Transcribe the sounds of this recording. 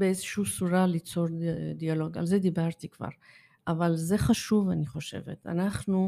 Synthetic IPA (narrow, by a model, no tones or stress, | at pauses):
beezeʃuusuɾalit͡so̞ɾd̪ialo̞ɡa̰lzed̪ibaʁt̪ikv̥a̰ʁ | ʔavalze̞χaʃuvaniχo̞ʃe̞̰vḛt̪a̰naχnu